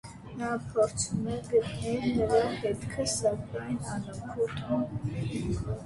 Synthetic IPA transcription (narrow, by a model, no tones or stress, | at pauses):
nɑpʰɔɾt͡sʰumɛɡət̪ʼnɛlnəɾahɛt̪kʰəsɑkɑnɑnəkʰut̪ʰʼun